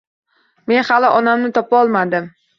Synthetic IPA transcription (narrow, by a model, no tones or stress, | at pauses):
me̞nhalɪʔɒnamnɪt̪ʰɒpaɒlˠmad̪ɪm